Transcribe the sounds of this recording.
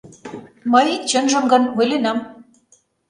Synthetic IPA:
mɤjt͡ɕɤ̆nʒə̆mɡɤ̆nvujlenɑm

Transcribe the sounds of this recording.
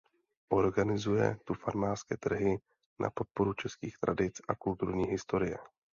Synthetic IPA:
ʔo̞ɾɡanɪzujɛ̰t̪ufaɾmaːrskɛːt̪r̩ɦɪ | na̰po̞t̪̚po̞ɾut͡ʃɛskiːxt̪ɾʔa̰dɪt͡sʔakult̪uɾɲiːɦɪst̪o̞ɾɪjɛ̰

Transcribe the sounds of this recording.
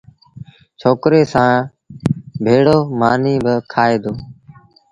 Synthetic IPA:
t͡ʃʰoːkɾeːsãː | bʱeːɽoːmaːniːbəkʰaːeːd̪oː

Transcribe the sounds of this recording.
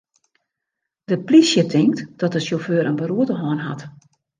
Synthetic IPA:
d̥əplisjətʰɪŋk̚td̥ɔtəsjoføːɾənbəɾuətəɦɔːnɦa̰t

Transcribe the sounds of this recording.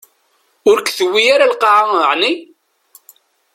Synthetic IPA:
ʊɾkθəwːijaɾalqɑʕaəʕni

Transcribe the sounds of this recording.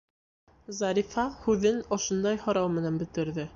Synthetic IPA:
zɑɾifɑhʉðɘnŏʃŏnd̪ɑjhŏɾɑwmɘ̆nænbɵ̆t̪ɘ̆ɾðɘ

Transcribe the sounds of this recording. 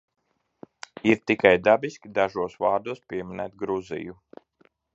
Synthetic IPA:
iɾt̪ikajd̪abiskʲid̪aʒuɔsvɑːɾd̪uɔspʲiɛminæ̰ːt̪̚ɡɾuzḭju

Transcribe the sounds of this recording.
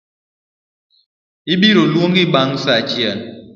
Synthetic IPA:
ibiɾolwoŋɡiɓaŋsat͡ʃjɛn

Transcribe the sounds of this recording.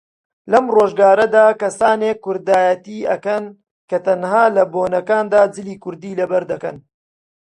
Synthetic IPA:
lɐmroːʒɡaːɾɐd̪aːkɐsaːnekːʊɾd̪aːjɐt̪iːʔɐ̰kɐn | kɐt̪ɐnhaːlɐboːnɐkaːnd̪aːd͡zɨliːkʊɾd̪iːlɐbɐɾd̪ɐkɐ̰n

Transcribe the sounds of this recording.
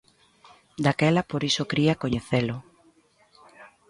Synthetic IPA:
d̪akɛlɐpoɾisokɾiakoɲeθelʊ

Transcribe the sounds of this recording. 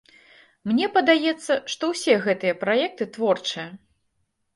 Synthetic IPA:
mnʲɛpɐd̪ajɛt̪sːɐʂt̪ɔwsʲɛɣɛt̪ɨjɐpɾajɛk̚t̪ɨt̪vɔrt͡ʂɨjɐ

